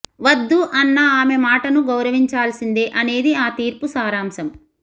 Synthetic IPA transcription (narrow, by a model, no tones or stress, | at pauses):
ʋɐd̪ːuʔɐnːɐaːmemaːʈɐnuɡɐwɾɐʋiɲt͡ʃaːlsind̪eʔɐne̞ːd̪iaːt̪iːɾpusaːɾaːmsɐm